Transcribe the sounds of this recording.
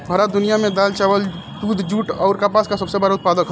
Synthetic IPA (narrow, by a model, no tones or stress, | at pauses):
bʱəɾad̪unijamed̪alt͡ʃabəl | d̪ud̪ʱd͡ʒuʈɔʊɾkapaskasəbsebaɾut̪̚pad̪əkʰɦ